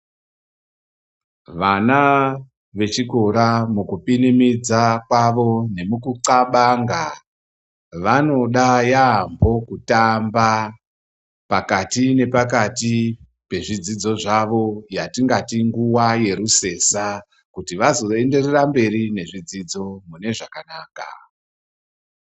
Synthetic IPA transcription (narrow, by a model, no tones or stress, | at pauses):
ʋana | ʋe̞t͡ʃiko̞ɾamukupinimid͡zakwaʋo̞ne̞mukuǀaɓaŋɡa | ʋano̞ɗajaːmbo̞kutamba | pakatine̞pakati | pe̞ʐid͡zid͡zo̞ʐaʋo̞jatiŋɡatiŋɡuwaje̞ɾuse̞sa | kutiʋazo̞e̞nde̞rerambe̞ɾine̞ʐid͡zid͡zo̞mune̞ʐakanaːka̰